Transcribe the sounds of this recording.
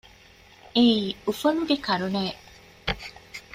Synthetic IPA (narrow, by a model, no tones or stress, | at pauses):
eiufɐnuɡekɐɾuneː